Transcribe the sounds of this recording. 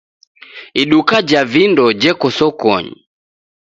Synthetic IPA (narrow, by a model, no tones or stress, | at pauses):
iɗukad͡ʒavindɔd͡ʒɛkɔsɔkɔ̰ɲḭ